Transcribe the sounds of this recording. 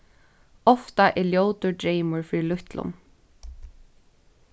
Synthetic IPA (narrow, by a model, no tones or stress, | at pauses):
ɔft̪aʔɛljowt̪ʊɹɖɹeɪmʊɹfilʊht̪lʊ̰n